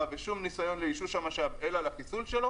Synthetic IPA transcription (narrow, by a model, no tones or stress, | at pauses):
aveʃumnisajo̞nleiʃuʃamaʃavelalakisulʃe̞lo̞